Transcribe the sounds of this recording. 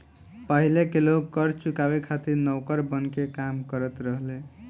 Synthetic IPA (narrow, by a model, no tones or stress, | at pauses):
pəɦilekelokkəɾt͡ʃukabekʰat̪iɾnəwkəɾbənkekamkəɾət̪ɾəɦle